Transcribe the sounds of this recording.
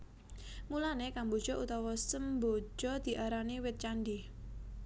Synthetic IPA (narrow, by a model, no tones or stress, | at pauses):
mulanekambo̤d̥ʒ̥ɔ̤ʔut̪ɔwɔsəmbo̥d͡ʒ̥ɔ̤d̪̥i̤ʔaɾaniwɪt̪̚t͡ʃanɖi